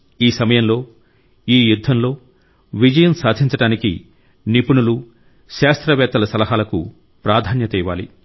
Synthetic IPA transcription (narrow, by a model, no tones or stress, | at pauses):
iːsɐmɐjɐmlo̞ː | iːjud̪ʱːɐmlo̞ː | ʋid͡ʒɐjɐmsaːd̪ʱiɲt͡ʃɐɽaːnikḭ | nipuɳulu | ʃaːst̪ɾɐʋɛːt̪ːɐlɐsɐlɐɦaːlɐkṵ | pɾaːd̪ʱaːnjɐt̪iːʋaːlḭ